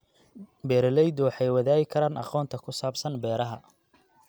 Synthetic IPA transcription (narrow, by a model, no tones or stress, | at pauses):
bɛːɾlɛjd̪ɔwɑħɑjwɐðaːɣɪkʰɐɾaːnʔɑ̰qɔːnt̪ʰɐkʰʊsaːbsɐnbɛːɾɐɦɐ